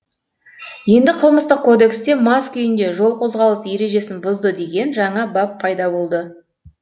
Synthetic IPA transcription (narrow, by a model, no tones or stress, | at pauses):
je̞nd̪ɪqʰəlˠməst̪əq̚kʰːo̞d̪e̞kst̪e̞mɑskʲʏjɪnd̪e̞ʒo̞lˠqʰo̞zʁɑlˠəsje̞ɾe̞ʒe̞sɪnbʊzd̪əd̪e̞ɡʲe̞nʒɑɴɑbɑpʰɑjd̪ɑbo̞lˠd̪ə